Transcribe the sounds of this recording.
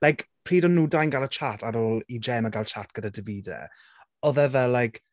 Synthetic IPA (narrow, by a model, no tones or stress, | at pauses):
lajkpʰr̥iːdɔnuːdajnɡalˠət͡ʃʰatʰaɾoːlid͡ʒɛmaɡalˠt͡ʃʰatɡ̥ədadɪviːdɛ̰ | ɔðɛvɛlːajk